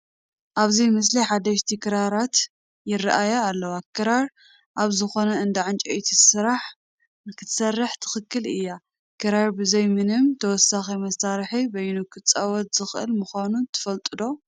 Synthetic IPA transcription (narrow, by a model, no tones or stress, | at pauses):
ʔaβzimɐs̬liħad̪ɐʃt̪ʰikʰɨɾaɾat̪ | jɪraʔajaːlːɐwakʰɨɾaɾ | ʔaβzɨxo̞nɐɨnd̪ɐʕant͡ʃʼɐʔit̪ʰisɨɾaħ | ɨkʰɨt̪ʰsɐrːɨħt̪ʰɨ̥xɨkʰːɨlɨ̰jːa | kʰɨɾaɾbɨzɐjmɨnɨmt̪ʰɐwɔsːaximɐsaɾħibɐjunukʰɨt͡sʼawɔt̪z̥ɨxʔɨ̰lmɨxanut̪ʰɨ̥fɐlt̪ʼɨd̪o̞